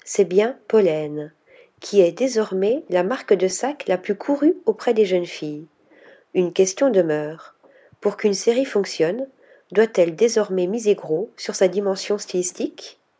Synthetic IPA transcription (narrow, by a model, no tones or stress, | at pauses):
sɛbjɛ̃pɔlɛn | kʲʰiɛd̪ezɔʁmɛlamaʁkd̪əsaklaplykʰuʁyopχɛd̪eʒənfij | ynkʲɛst̪jɔ̃d̪əmœːʁ | puʁkynseʁifɔ̃ksjɔn | d̪wat̪ɛld̪ezɔʁmɛmizeɡʁosyʁsad̪imɑ̃sjɔ̃st̪ilist̪ik